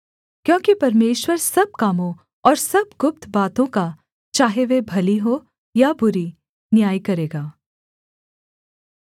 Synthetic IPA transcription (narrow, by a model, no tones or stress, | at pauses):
kjõːkipɐɾmeːʃwəɾsɐb̚kaːmõ | ɔːɾsɐbɡʊp̚t̪baːt̪õka | t͡ʃaːɦeʋebʱɐliɦoː | jabʊɾi | njaːikɐɾeːɡaː